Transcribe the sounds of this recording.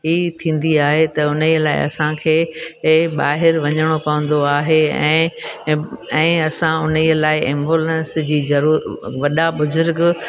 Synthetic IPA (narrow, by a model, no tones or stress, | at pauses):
ɦiːt̪ʰĩːn̆d̪iaːɦet̪ɐʊnəiəlaːɪ̰ɐ̰sãkʰeː | ɓaːɦɪɾʋɐɲəɽ̃opɐʋə̃nd̪oaːɦeɛ̰̃ː | ɛ̃ːɐsãʊniəlaːɪɛ̃mboːlẽnsd͡ʑiːzɐɾuːʋɐɗaɓʊzʊɾɡ